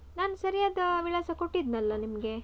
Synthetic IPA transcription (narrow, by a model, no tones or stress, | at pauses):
naːnusɐɾijaːd̪ɐʋiɭɐsɐko̞ʈːid̪nɐlːɐnimɐɡe̞